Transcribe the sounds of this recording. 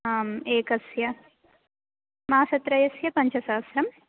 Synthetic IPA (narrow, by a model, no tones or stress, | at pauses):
aːmeːkɐsjɐ | mɐɦaːsɐt̪ɾɐjɐsjɐpɐɲt͡ʃʰɐsɐʋɐsɾɐm